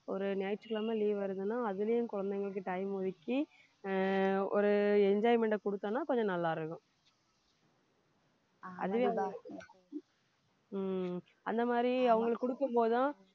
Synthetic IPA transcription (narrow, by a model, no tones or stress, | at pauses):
ɔɾɯnɐːjʈt͡ʃɪlaːmɐliːʋɐɾɯðɯnːaːɐðɯlɐjʊkʊɻɐnd̪ɐŋɡɐɭɯk̬ːɯʈɐɪmɔðɪkːi | ɔɾɯɛɲd͡ʒaːjmɛɳʈɐkɔɽɯt̪ːãːnːaːkɔɲd͡ʒɔ̃nɐlːaːɪɾɯkːɯ̃ | ɐ̰ðɯʋe | ɐ̰nd̪ɐmaːd̪ɾiɐʋɐŋɡɐɭɯkːʊɽɯkːɯmpoːðɯt̪ãː